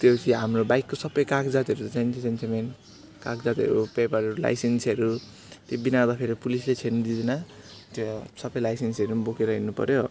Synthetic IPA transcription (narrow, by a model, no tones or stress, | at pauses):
t̪jot͡sʰiɦamrobajkːosʌbʌjkakd͡zat̪iʌɾut̪ʌt͡sant͡sʰit͡sent͡sʰemen | kakd͡zat̪iʌ̰ɾupepʌɾʌɾula̰jsensʌɾu | t̪jobinad̪apʰeɾipulislet͡sʰend̪idna | t̪josʌbʌjlajsensʌɾunbokeɾʌɦinupʌ̰ɾjo